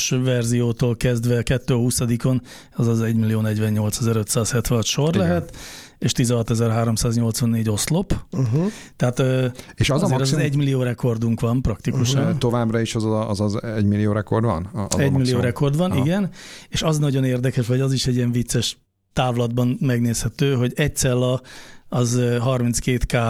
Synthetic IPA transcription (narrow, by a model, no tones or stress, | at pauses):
ʃvɛrzijoːt̪oːlkɛzd̪ʋɛkɛt̪ːøːɦusɒd̪iko̞n | ɛzɒzɛɟmilːijoːnɛɟʋɛɲɲo̞lt̪sɛzɛɾø̞t̪saːshɛt̪ʋɛɒt̪ʃo̞rlɛɦɛt̪ | eːʃt̪izɛɦɒt̪ɛzɛrɦaːɾo̞msaːzɲo̞lt̪sʋɒnːeːɟoslop | t̪ɛɦaːt̪øːeːʃɒzeːɾzzɛɟmilːijoːɾɛko̞rd̪uŋkʋɒnprɒkt̪ikkuʃnt̪o̞vaːbrɒiʃɒzzzɛɟmilːijoːɾɛkord̪ʋɒ̰n̰ɛɟmilːioːɾɛko̞rd̪ʋɒniɡɛneːʃɒznɒɟo̞neːrd̪ɛkɛʃʋɒɟɒziʃɛɟiɛɱvit̪sɛʃ | t̪aːvlɒd̪bɒnmɛɡneːshɛt̪øːɦo̞ɟɛc̪̚sɛlːɒː | zɦɒrmintskeːt̪kaː